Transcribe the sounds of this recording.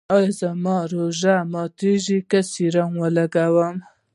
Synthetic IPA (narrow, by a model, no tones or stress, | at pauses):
ojzamɑɾoʒamɑt̪iʒikasiɾaŋwəlaɡawəm